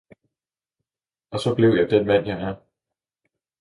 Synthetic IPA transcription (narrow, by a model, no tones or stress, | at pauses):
ɒ̽sɒ̽b̥le̝ʊjɑ̈ɪd̥enmæn̰jɑ̈ɪæɐ